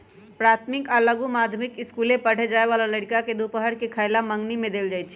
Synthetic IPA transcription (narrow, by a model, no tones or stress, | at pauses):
pɾat̪ʰmikaləɡumad̪ʱəmikɪskulepəɽ̤ed͡ʒaːeβalaləɽikaked̪upəɦəɽkekʰaɪlaməŋɡnimẽd̪eːld͡ʒajt͡ʃʰ